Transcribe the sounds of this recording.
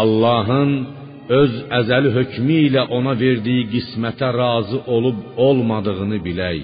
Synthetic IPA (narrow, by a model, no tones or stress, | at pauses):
ɑlˠːɑːɦɯn | øzæzæliɦø̞cmiːlæʔo̞nɑve̞ɾd̪ijiɡismæt̪ʰæɾɑːzɯʔo̞lˠub̚olˠmɑd̪ɯʁɯnɯbilæj